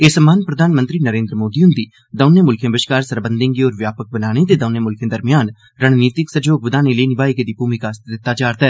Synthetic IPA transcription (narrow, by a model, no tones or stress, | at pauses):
eːsəmaːnpɾəd̪ʱaːnmə̃nt̪ɾiːnəɾẽːnd̪ɾəmoːd̪iːɦʊnd̪iː | d̪əːneːmʊlkʰẽːbəʃkaːɾsəɾbənd̪ɪ̃ŋɡioːɾʋjaːpək̚bənaːɽ̃eːt̪eːd̪əneːmʊlkʰẽːd̪əɾmɪjaːn | ɾəɳ̃niːt̪ɪksəd͡ʒoːɡ̚bəd̪aːneːləiːnɪbaːikd̪iːbuːmikaːst̪d̪ɪt̪ːaːd͡ʒaːɾt̪ɛː